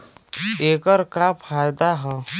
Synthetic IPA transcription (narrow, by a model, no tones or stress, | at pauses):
eːkəɾkapʰaːjd̪aɦɛː